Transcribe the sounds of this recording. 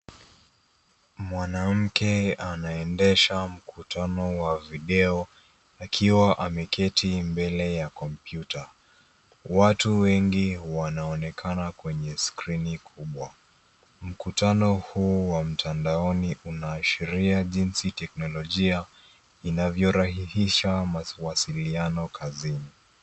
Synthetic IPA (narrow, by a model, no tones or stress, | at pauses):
mwanam̩kɛanaɛndɛʃam̩kʰutʰanɔwaviɗɛɔ | akʰiwaʔamɛkʰɛtʰimbɛlɛjakɔmpjuta | watuwɛŋɡiwanaɔnɛkʰanakwɛɲɛskɾinikʰuɓwa | m̩kutanɔhuwam̩tʰandaɔniʔunaːʃiɾiaʄinsitɛknɔlɔʄia | inavjɔɾahihiʃamawasilianɔkʰazini